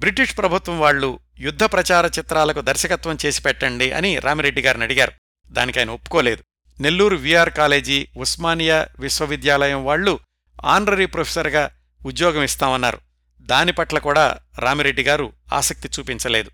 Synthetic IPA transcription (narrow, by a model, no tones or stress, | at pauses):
bɾiʈiʂpɾɐbʱut̪ʋɐmʋaːɭːu | jud̪ʱːɐpɾɐt͡ʃaːɾɐt͡ʃit̪ɾaːlɐkud̪ʱɐɾʃɐkɐt̪ʋɐmt͡ʃe̞ːsi̥pɛʈːɐɳɖiʔɐ̰niɾʔaːmiɾe̞ɖːiɡaːɾunɐɽiɡaːɾu | d̪aːnikɐːjɐnɐopːu̥koːle̞ːd̪u | ne̞lːuːɾuʋijaːɾkaːle̞ːd͡ʒiːusmaːnijɐʋiʃʋɐʋid̪jaːlɐjɐmʋaːɭːu | a̰ːnɖɾɐɾiːpɾopʰesɐɾɡaː | ud̪jɔːɡɐmist̪aːmɐnːa̰ːɾu | d̪aːnipɐʈlɐkuːɽaːɾaːmiɾe̞ɖːiɡaːɾua̰ːsɐk̚t̪it͡ʃuːpiɲt͡ʃɐle̞ːd̪u